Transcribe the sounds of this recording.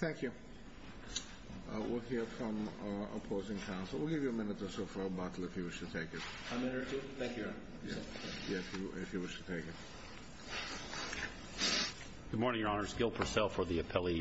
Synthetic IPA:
θæ̃ŋkʰjʉ | wʔɪ̰lˠhiɹfɹʌ̃mə̰pʰoʊzɪ̃ŋkʰãʊ̃nsl̩ˠwilˠɡɪvjɨəmɪ̃nɨt̪ðɨsoʊfɑɹbɑɾˡl̩ˠɨfjɨwɪʃtʰɨtʰeɪkɨt̚ | amɪ̃nə˞tʰuθæ̃ŋkjɨ | jæ̰ | jæɨfjɨɪfjɨwɪʃtʰɨtʰeɪkɨt̚ | ɡ̥ʊd̚mɔɹnɪ̃ŋjə˞ɑnə˞zɡɪlˠpʰə˞sɛlˠfə˞ðiɨpʰɛlˠi

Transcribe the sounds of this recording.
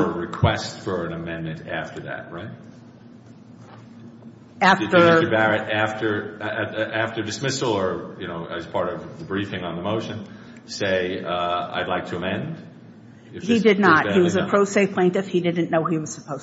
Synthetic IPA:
əɹɨkʰw̥ɛstfə˞ɨ̃nɨmɛ̃nmɨ̃ntæ̰ftə˞ðæ̰t̚ɹaɪt̚ | æfɨtə˞ɨbæɹɨɾæftə˞ | ʔæftə˞dɨsmɪsl̩ˠə˞jɨñoʊʔɨ̰z̥pʰɑɹɾʌvðəbɹifɪ̃ŋə̃nðəmoʊʃɨ̃n | seɪa̰ɪdˡlaɪk̚tʰɨəmɛ̃nd | ɨhidɨdⁿnət̚hiwʌzɨpʰɹ̥oʊseɪpʰl̥ẽɪ̃ntɨfhidɪdⁿn̩noʊiwʌz̥səpʰoʊz

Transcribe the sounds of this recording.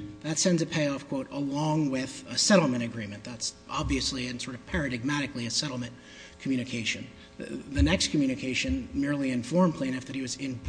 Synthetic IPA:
ðɨtsɛ̃ndzɨpʰeɪɔfkʰw̥oʊɾəlɔ̃ŋwɪðəsɛɾl̩ˠmɨ̃ɾ̃ɨɡɹĩmɨ̃nðætsʔɑbviɨsliɨ̃nsɔɹɾʌv̥pʰɛɹɨɾɨɡ̚mæɾɨkliɨsɛɾl̩ˠmɨ̃n | kʰmjʉɾ̃ɨkʰeɪʃɨ̃n | ðɨnɛkskʰmjʉnɨkʰeɪʃɨ̃nmɪɹlˠiɨ̃ɱfɔɹmpʰl̥ẽɪ̃nɨfðɨt̚hiwʌzɪ̃nb

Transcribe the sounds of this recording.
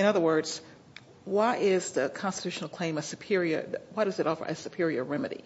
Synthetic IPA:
ɨ̃ñʌðə˞wɜ˞dz̥ | wʌɾɪzðɨkʰɑ̃nstɨtʰʉʃn̩l̩ˠkʰl̥ẽɪ̃mɨsɨpʰɪɹiə̰˞wʌd̥ʌzɨɾɔfə̰˞ʔɨ̰sɨpʰɪɹiə̰˞ɹɛmɨɾḭ

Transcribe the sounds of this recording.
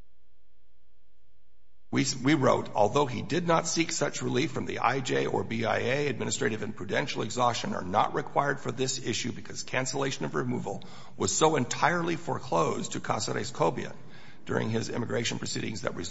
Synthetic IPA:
iwiɹoʊɾɔ̰lˠðoʊidɪdⁿnətsiksʌt͡ʃɹɨlifɹʌ̃mðḭʔa̰ɪd͡ʒeɪʔə̰˞biaɪeɪɨd̚mɪ̃nɨstɹ̥eɪɾɨvɨ̃npʰɹ̥ɨdɛ̃nʃl̩ˠɨɡzɑst͡ʃɨ̃nə̰˞nə̰ʔɹɨkʰw̥aɪə˞d̥fə˞ðɪsɪʃʉbɨkʰʌz̥kʰæ̃nsəleɪʃɨ̃nʌvɹɨmṵvl̩ˠ | wʌz̥soʊɨ̃ntʰaɪə˞lˠifə˞kʰl̥oʊztʰɨkʰɑ̰səɾḛskʰoʊbiɨ̰ | d̥ʊ̰ɹɪ̰̃ŋɪzɪ̰̃mɨɡɹeɪʃɨ̃n̩pʰɹ̥ɨsiɾɪ̃ŋzðɨ̰t̚ɹɨ

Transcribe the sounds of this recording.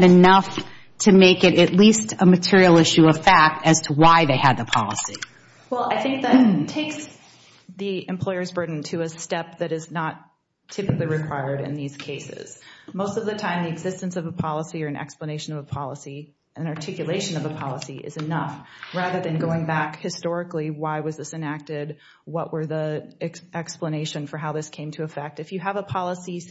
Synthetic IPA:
ɾɨnʌf | tʰɨmeɪkɨɾɨtˡlistʰəmɨtʰɪɹil̩ˠɪʃʉʌv̥fæk̚tɨz̥tʰəwaɪðeɪɨd̪̚ðəpʰɑ̰lˠə̰si | wɛlˠaɪθɪ̃ŋk̚ðɨttʰeɪks | ðiɨ̃mpʰl̥ɔɪə˞zbɜ˞dⁿn̩tʰɨɨstɛp̚ðɨɾɨznətʰ | ɪpɨkliɹɨkʰw̥aɪə˞ɾɨ̰̃nðiz̥kʰeɪsɪ̰z̥moʊstʌvðɨtʰãɪ̃mðiɨɡzɪstɨ̃n̩sʌvəpʰɑlˠəsiə˞ɨ̃nʔɛ̰kspləneɪʃɨ̃nʌvəpʰɑlˠəsi | ɨ̃nɑɹtʰɪkjɨleɪʃɨ̃nʌvəpʰɑlˠəsiʔɨ̰zɨnʌfɹæðə˞ðɨ̃nɡoʊɪ̃ŋbækhɨstɔɹɨkliwaɪwʌzðɪsɨ̃næk̚tɪd̚ | wʌʔwʔə˞ðiɛkʔɛkspləneɪʃɨ̃nfə˞ɦaʊðɪskʰẽɪ̃mtʰɨːfɛk̚tɨfjɨəvəpʰɑlˠəsi

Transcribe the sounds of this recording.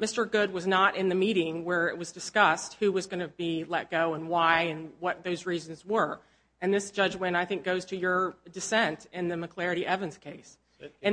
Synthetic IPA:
mɪstə˞ɡʊd̚wʌznəɾʔɪ̃nðɨmiɾɪ̃ŋwə˞ɪʔ̚wʌzdɨskʌst̚hʉwʌzɡʌnɨbilɛt̚ɡ̥oʊə̃nwaɪɨ̃nwʌt̪̚ðoʊzɹizɨ̃n̩zwə˞ | ɨ̃nðɪsd̥ʒ̥ʌd͡ʒwɨ̃ñaɪθɪ̃ŋk̚ɡ̥oʊz̥tʰɨjə˞dɨsɛ̃ntɪ̃nðɨmɨkʰl̥ɛɹɨɾiʔɛvɨ̃nz̥kʰeɪs | ɨ̃

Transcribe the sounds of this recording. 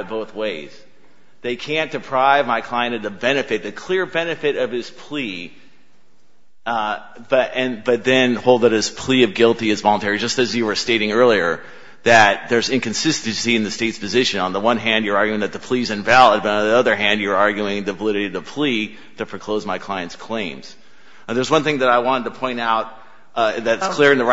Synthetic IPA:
t̚b̥oʊθweɪz̥ | ðeɪkʰæ̃nd̥ɨpʰɹ̥aɪvmaɪkʰl̥aɪɨ̃ñtʌðɨbɛnɨfɨt̪̚ðɨkʰl̥ɪɹbɛnɨfɨɾʌv̥ɨz̥pʰl̥i | bʌɾʔɨ̃nbʌt̪̚ðɨ̃nhoʊlˠd̪ðɨɾ̚ɨz̥pʰl̥iʌvɡɪlˠtiɨzvɑlˠə̃ntʰɛɹid͡ʒʌstɨzjɨwə˞steɪɾɪ̃ŋɜ˞lˠiə˞ | ðɨt̪̚ðə˞zɪ̃nkɨ̃nsɪstɨnsiɨ̃nðɨsteɪtspʰɨzɪʃɨ̃nə̃nðəwʌ̃nɦæ̃ndjə˞ɑɹɡjʉɪ̃ŋðɨt̪̚ðəpʰl̥izɨ̃ɱvælˠəd̚bʌɾn̩ðiʌðə˞ɦæ̃ndjə˞ɑɹɡjʉɪ̃ŋðɨvəlɪɾɨɾiʌðəpʰl̥i | ðɨpʰɹ̥ɨkʰl̥oʊzmaɪkʰl̥aɪɨ̃ntskʰl̥ẽɪ̃mz̥ | ðə˞zwʌ̃nθɪ̃ŋðɨɾaɪwɑ̃ɾ̃ɨtəpʰɔ̃ɪ̃ñaʊt̚ | ðɨɾɨskkʰl̥ɪɹɨ̃nðɨ

